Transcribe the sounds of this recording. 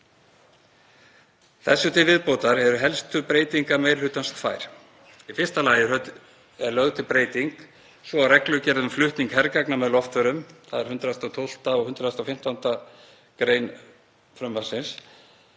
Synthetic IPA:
θɛsːʏt̪ʰɪvɪðpoːwt̪aɾ̥hɛvɾʏɦɛlst̪ʏpɾeːjt̪iŋkamejɾ̥hʏːt̪anst̪fa̰ːjɾ̥ | ifɪr̥st̪alaːjɪœ | ɛɾlœɣðʏt̪ʰɪlpɾeːjt̪iŋk | svɔawrɛklʏcɛɾðʏmflʏht̪niŋkɦɛɾkaknamɛðlɔft̪ʏɾʏmθaðɛɾ̥hʏnt̪ɾast̪ɔwt̪ʰowl̥t̪aɔɣhʏnt̪ɾaðast̪afɪm̥t̪ant̪a | kɾeːjn | fɾœmvasɪns

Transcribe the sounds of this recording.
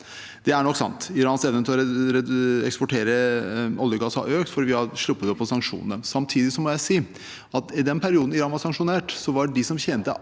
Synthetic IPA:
d̪̥ɛæɳɔkːsɑ̰nt̪ɪɾɑːnsɛʋnət̪ʰɪɔɾɾɛɛkspɔʈʰeːɾəɔljəɡɑsɑ̰ʔøːkt̪fɔɾʋɪhɑʂlʊpːət̪ɔpːɔsɑŋkʂṵːnnəsɑmt̪ʰiːd̪ɪsɔmɔjæɪsiː | ɑt̪ɪd̪ɛnpʰæɾɪuːd̪n̩ɪɾɑːnʋɑɾsɑŋʂʊneːʈsɔʋɑɖɪsɔmçɛnt̪ə̰

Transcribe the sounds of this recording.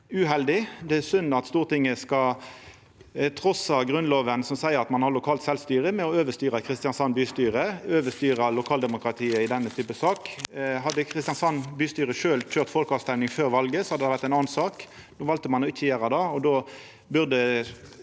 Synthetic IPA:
ʉhɛld̪ɪd̪ɛæsʉnːɑt̪st̪uːʁt̪ɪŋːəskɑ | t̪ʰʁɔsɑɡʁʉnloːʋənsɔmsæɪəʁɑt̪mɑnhɑʁlʊkʰɑːlt̪sɛlst̪yːʁəmɛɔøːʋəst̪yːʁəkʰʁɪst̪ɪjɑnsɑnbyːst̪yːʁəøːʋəst̪yːʁɑlʊkʰɑːld̪ɛmʊkʁɑt̪ʰiːəɪd̪ɛnːət̪ʰyːpəsɑːkɦɑd̪ːəkʰʁɪst̪ɪjɑnsɑnbyːst̪yːʁəʂøːlc͡çøːʁt̪fɔlkɑʋst̪ɛʋnɪŋføːʁʋɑlɡəsɔ̥hɑd̪əd̪ɛʋæʁt̪æɪnɑːnnsɑːk | nuːʋɑlt̪əmɑnɔɪt̪ʰəjeːʁɑd̪ɑɔd̪oː | bʉʁd̪ə

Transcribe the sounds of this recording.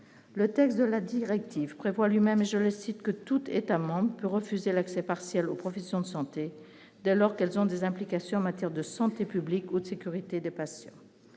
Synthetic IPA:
lət̪ɛkst̪̚d̪əlad̪iʁɛk̚t̪ʰivpχevwalɥimɛmeʒələsit̪kət̪ut̪et̪amɑ̃bʁəpøʁəfyzelaksɛpaʁsjɛlopχɔfɛsjɔ̃d̪əsɑ̃t̪e | d̪ɛlɔʁkɛlzɔ̃d̪ezɛ̃plikasjɔ̃ɑ̃mat̪jɛʁd̪əsɑ̃t̪epyblikud̪əsekʲyʁit̪ed̪epasjɑ̰̃

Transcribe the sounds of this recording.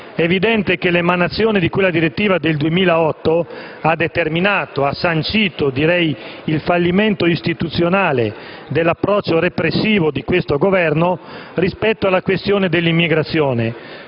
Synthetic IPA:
ɛːvid̪ɛnt̪ekelemanat̪sːjɔːnid̪ikwelːad̪iɾet̪ːiːvad̪eld̪uemiːlaɔt̪ːo | ad̪et̪erminaːt̪oasːant͡ʃiːt̪od̪iɾɛjilfalːiment̪oist̪it̪ut̪sːjonaːle | d̪elːapːɾɔt͡ʃːorepɾesːiːvod̪ikwest̪oɡovɛrnorispɛt̪ːoalːakwest̪joːned̪elːimːiɡɾat̪sːjoːne

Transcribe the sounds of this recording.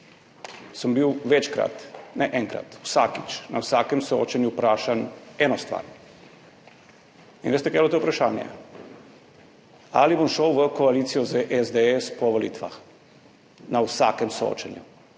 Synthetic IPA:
sambiwʋet͡ʃkɾa̰t̪naʔeŋkɾa̰t̪usaːkit͡ʃnawsaːkemsoot͡ʃenjupɾaːʃanɛnɔst̪ʋa̰ːɾ | inʋest̪ɛkɾelot̪oupɾaʃaːnjɛ̰ | a̰libomʃowʋəkoalit̪sijɔzaʔezd̪eespɔʋolḭːt̪ʋa̰x | nawsa̰kɛmsoo̰t͡ʃanju

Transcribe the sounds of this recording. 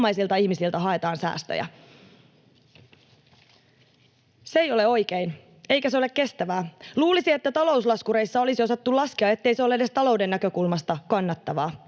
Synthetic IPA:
mɑjsilt̪ɑiçmisilt̪æɦɑet̪ɑːnsæ̰ːst̪ø̰jæ̰ | seijo̞le̞o̞jk̟ein | e̞ijkæseo̞lekke̞st̪æʋæːluːlisiet̪ːæt̪ɑlo̞uslɑskuɾe̞isːɑo̞lisio̞sɑt̪ːulɑskiɑe̞t̪ːe̞ijseolːede̞st̪ɑlo̞ude̞nːækø̞kulmɑst̪ɑkɑnːɑt̪ːɑʋɑː

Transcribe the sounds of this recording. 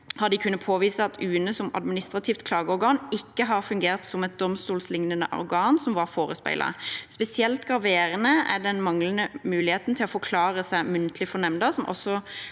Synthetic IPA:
hɑd̪ɪkʰʉnːəpʰoːʋiːsəɑt̪ʰʉːnəsɔmɑ̰d̪mɪnɪst̪ʁɑt̪ʰiːft̪kʰlɑːɡəɔɾɡɑːnɪkːəɦɑːʁfʉŋɡeːʁt̪sɔmɛt̪̚d̪ɔmst̪uːlslɪŋnənə̰ʔɔ̰ɾɡɑːnsɔmʋɑɾfoːɾəspæ̰ɪlɑ̰spɛsɪɛlt̪ɡʁɑʋeːɾənəæ̰d̪ɛnmɑŋlənəmʉːlɪheːt̪n̩t̪ʰɪlɔfɔkʰlɑːɾəsæɪmʉnt̪ʰəlɪfɔnɛmnd̪ɑsɔmʔɔ̰sːɔ

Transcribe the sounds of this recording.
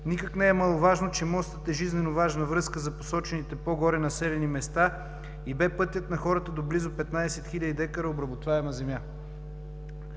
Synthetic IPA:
nikəknɛɛmɐlˠovaʒnot͡ʃɛmɔst̪ət̪ɛʒiznɛnovaʒnəvɾɤskəzɐposɔt͡ʃɛnit̪ɛpoɡɔɾɛnɐsɛlɛnimɛst̪a | ibɛpɤt̪jət̪nɐxɔɾət̪əd̪oblizopɛt̪nad̪ɛsɛt̪xilʲəd̪id̪ɛkəɾəobɾɐbot̪vaɛmɐzɛmʲja

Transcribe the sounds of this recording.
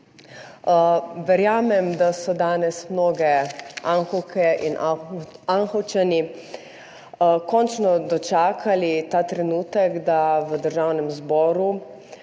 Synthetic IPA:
ʋɛɾjaːmɛmd̪asɔd̪aːnɛsmnoːɡɛaŋxɔkʰɛin | anxɔt͡ʃani | kɔnt͡ʃnɔd̪ɔt͡ʃaːkʰalit̪aːt̪ɾɛnuːt̪ɛɡd̪aʋəd̪əɾʒaːwnɛmzbɔːɾu

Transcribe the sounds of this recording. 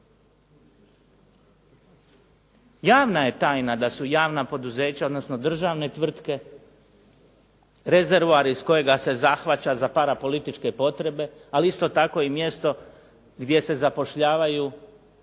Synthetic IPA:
jaːʋnaje̞t̪aːjnad̪asujaːʋnapo̞d̪uze̞ːt͡ɕaod̪no̞sno̞d̪r̩ʒaːʋne̞t̪ʋr̩t̪ke̞ | ɾe̞ze̞ɾʋuaɾisko̞je̞ɡase̞zaxʋat͡ɕazapaɾapo̞lit̪it͡ʃke̞po̞t̪ɾe̞be̞aliist̪o̞t̪ako̞imje̞st̪o̞ | ɡd̪ʲje̞se̞zapo̞ʃʎaːʋaju

